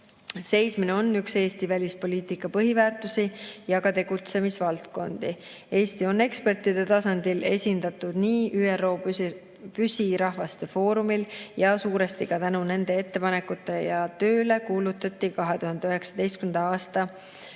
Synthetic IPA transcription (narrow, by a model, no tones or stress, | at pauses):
se̞jsmineo̞nːykse̞ːst̪ivælʲispo̞lʲiːt̪ikːˑɑpɤɦivæːrt̪usijɑɡɑt̪e̞ɡ̥ut̪se̞misvɑlt̪ko̞nd̪̥i | e̞ːst̪io̞ne̞kspe̞rt̪ˑid̪̥e̞t̪ɑsɑnd̪̥ile̞sʲind̪̥ɑt̪ˑud̪̥niːʔyːero̞ː | pysʲiɾɑɦvɑst̪e̞fo̞ːɾumiljɑsuːɾe̞st̪ikɑt̪ænune̞nd̪e̞e̞t̪ːe̞pɑne̞kːˑut̪ːˑe̞jɑt̪ø̞ːle̞kuːlut̪ːˑɑt̪ːˑikɑɦe̞t̪uhɑnd̪eøɦe̞ksɑ̥d̪̥e̞jst̪̚kynd̪ɑɑːst̪ɑ